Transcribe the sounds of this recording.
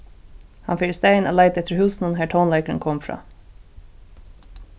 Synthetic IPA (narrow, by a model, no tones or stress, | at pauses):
hɑnfɪst̪eɪnʔo̰ːlæɪt̪ɛt̪əɾhʉːsn̩ənɦæːʈʰɔːnleɪkəɾənkʰɔmfɾɑ̰ː